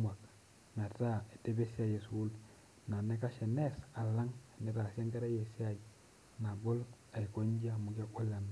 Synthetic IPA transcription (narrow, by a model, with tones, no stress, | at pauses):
ma˨k | n˨a˨ta˦e˨te˦be˦si˦a˦˨je˨su˦l | na˨nɛ˦ka˦ʃɛ˨nɛ˦sa˨la˦ŋa˨nɛ˦ta˨sja˦ŋɡɛ˦ɾa˦je˨si˦a˨i˨ | na˨bʊ˦l | a˨i˨ko˦ɲ˦d͡ʒa˦˨mʊ˨k̬a˦ʔʷo˦la˨n